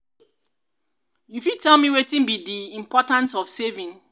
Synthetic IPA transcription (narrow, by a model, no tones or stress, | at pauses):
jufidtʰɛlmiwetĩnbidiĩmpɔtãnsɔfsevĩn